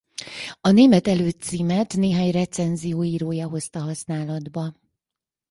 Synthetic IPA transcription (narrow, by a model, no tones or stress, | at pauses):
ɒneːmɛt̪ɛløːt̪siːmɛt̪neːɦaːɲrɛt̪sɛnzijoːiːɾoːjɒɦo̞st̪ɒɦɒsnaːlɒd̪bɒ